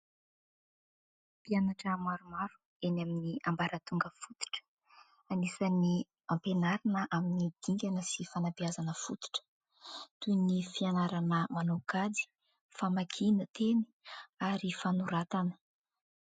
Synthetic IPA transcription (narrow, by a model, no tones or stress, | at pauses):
pianaʈ͡ʂəmaɾumaɾu̥ | enaminiambaɾat̪uŋɡəfut̪i̥ʈ͡ʂə̥ | anisəni | ampenaɾanəʔaminid̪̥iŋɡʲanəsifanapiazanəfut̪i̥ʈ͡ʂə̥ | t̪unifianaɾanəmanoɡad̪i̥ | famakʰinət̪ʰeni̥aɾifanuɾat̪anə̥